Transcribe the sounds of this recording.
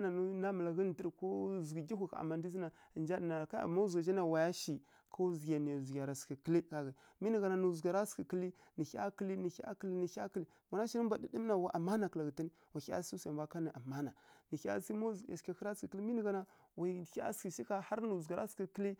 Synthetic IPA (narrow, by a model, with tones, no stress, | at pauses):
na˨nu˦na˦mə˨la˨ɣi˦n˨ti˦ɾko˦zu˨ɡi˨ɡʲi˦xu˨ka̰˨ma˨n˦di˦zi˦na˨ | ə˨nd͡ʒa˦dna˨ka˦ja̰˨ma˦zɡa˨d͡ʒi˦na˨wa˨ja˦ʃi˨ | kʰo˦zɡʲa˨n˨zi˨ɡʲa˨ɾa˨ski˨kə˦li˦ka˨ɣa˨ | mi˦nə˨ɡa˨na˨nu˨zɡa˨ɾa˦ski˨kə˦li˦ | ni˨xa̰˦kə˦li˦ni˨i˦a̰˦kə˦li˦ni˨˦a˦kli˦ | wa˨na˦ʃi˦nə˦mba˨di˦di˦m˦na˨wa˨˦ʔa˨ma˦na˨kla˨ɡə˨ta˦ni˦ | wa˨i˦a̰˦si˦sa˨mba˦ka˦ni˨ʔa˨ma˦na˨ni˨ka̰˦si˦mo˦za̰˨ska˨kə˦ɾa˦ski˨kli˦mi˦ni˨ɡa˨na˨ | wa˨i˦a̰˦ski˨ʃi˦ka˦ha˦ɾnu˨zɡa˨ɾa̰˦ski˨kə˦li˦